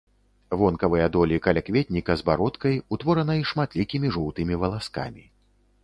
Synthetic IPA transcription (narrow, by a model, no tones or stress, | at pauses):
vɔnkɐvɨjɐd̪ɔlʲikɐlʲakvʲɛt̪̚ʲnʲikɐzbaɾɔt̪kɐjut̪vɔɾɐnɐiʂmat̪lʲikʲimʲiʐuwt̪ɨmʲivɐlˠaska̰mʲi